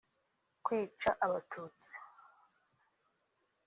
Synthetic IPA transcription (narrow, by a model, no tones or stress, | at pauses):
kʷwiːʈ͡ʂʰaʔaβatʰuːt͡si̥